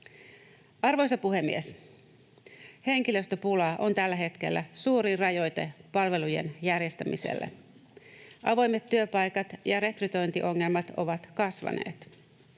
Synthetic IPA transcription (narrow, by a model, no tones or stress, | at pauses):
ɑrʋo̞jsɑpuɦe̞mːie̞s | he̞ŋk̟ilø̞st̪øpulɑʔo̞nt̪ælːæɦe̞t̪k̟e̞lːæsuːɾirɑjo̞jt̪e̞pɑlʋe̞luje̞̰njærje̞st̪æmise̞̰lːḛ | ʔɑʋo̞jmet̪ːyøpɑjkɑt̪jɑɾe̞kryt̪o̞jnt̪iʔo̞ŋːe̞lmɑt̪o̞ʋɑt̪kɑsʋɑ̰ne̞̰ːt̪